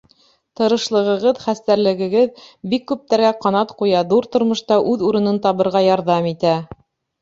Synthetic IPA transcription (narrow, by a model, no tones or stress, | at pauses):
t̪ɤ̆ɾɤ̆ʃlˠɤ̆ʁɤ̆ʁɤðχæst̪æɾlɘ̆ɡɘ̆ɡɘðbikːʉp̚t̪æɾɡæqɑnɑt̪qujɑðuɾt̪ŏɾmŏʃt̪ɑʔʉðuɾɤ̆nɤnt̪ɑβɤ̆ɾʁɑjɑɾðɑmit̪æ